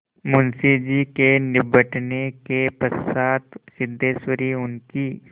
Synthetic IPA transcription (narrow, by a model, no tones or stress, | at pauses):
mʊnsid͡ʒiːkenɪbəʈnekepəsaːt̪sɪd̪ʱːeːʃwəɾiʊnkiː